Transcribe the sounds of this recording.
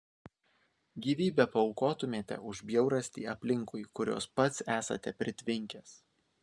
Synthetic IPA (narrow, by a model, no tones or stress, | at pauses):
ɡʲiːʋʲiːbʲɛpɐɔʊkoːt̪ʊmʲeːt̪ʲɛ̰ʊʒbʲjɛʊɾɐsʲt̪ʲiːɐpʲlʲɪŋkʊɪkʊɾʲo̰ːspɐt̪sæːsɐ̰t̪ʲɛpʲɾʲɪt̪ʲʋʲɪŋʲkʲeːs